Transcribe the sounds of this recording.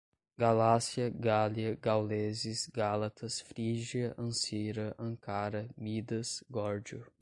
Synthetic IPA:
ɡalasiɐɡaliɐɡawlezisɡalɐt̪ʰɐsfɾiʒiɐʔɐ̃siɾɐʔɐ̃ŋkaɾɐmid̪ɐsɡɔɾd͡ʒʊ

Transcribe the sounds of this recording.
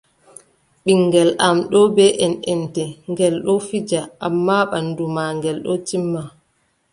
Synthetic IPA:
ɓiŋɡɛlʔamɗɔbɛʔɛnɛntɛŋɡɛlɗɔfid͡ʒaʔamːaɓandumaŋɡɛlɗɔtimːa

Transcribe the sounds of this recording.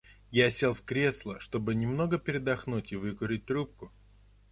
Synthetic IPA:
jasʲe̞lˠfkɾʲe̞slˠəʂt̪o̞bɨnʲɪmno̞ɡəpʲɪɾʲɪd̪ɐxnutʲɪvɨkʊɾʲɪt̚ʲt̪ɾup̚kʊ

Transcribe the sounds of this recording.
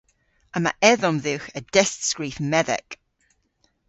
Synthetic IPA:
əma̰ʔɛðɔmðɪwxəd̥ɛstskɹiːfmɛðɛ̰k

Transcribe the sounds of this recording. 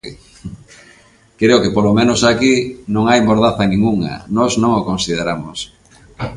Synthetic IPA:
kɾeokepolomẽnosakinõŋajmoɾðaθɐnĩŋuŋɐ̰nɔznõŋokonsiðeɾamos

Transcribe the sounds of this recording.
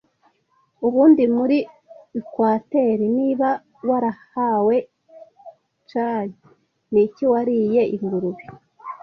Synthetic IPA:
uβuːndimuɾi | kwaːte̞ɾiniːβa | waɾahawe̞ | t͡ʃaːɲe | niciwaɾije̞iɡuɾuɾuβi

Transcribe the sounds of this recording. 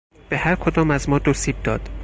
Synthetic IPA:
b̥ehæɾkʰod̪ɒːmæzmɒːd̪osiːb̚d̪ɒːd̪̥

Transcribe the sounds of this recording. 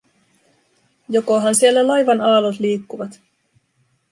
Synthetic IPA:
jokoɦɑnsielːælɑjʋɑnɑːlot̪liːkːuʋɑt̪

